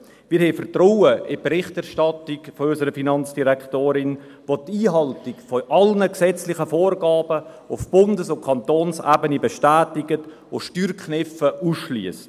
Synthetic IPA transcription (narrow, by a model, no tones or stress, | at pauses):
mɪːɾhɛɪfərtrowəʔɪbɾɪχtæɾʃtɑtɪkfoʏsəɾəfinɑnt͡sd̥iɾɛkχtoːɾɪn | votiːɦɑltɪkfoʔɑlnəksɛt͡slɪχəfoːɾɡɑːb̥ə | ʊfb̥ʊndəsʊnkʰɑntoːnsæ̰ːbənibeʃtæːtɪɡət | oʃtyːɾkχnɪfəʔusʃlyəst